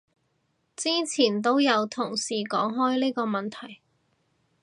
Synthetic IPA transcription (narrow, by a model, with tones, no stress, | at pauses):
t͡siː˥t͡sʰiː˨˩nt̪̬o˥wjɐ˨˧wt̪ʰʊ˨˩ŋsiː˨˩kɔː˨˥ŋɦɔː˥jliː˥kɔː˧mɐ˨nt̪ʰɐ˨˩j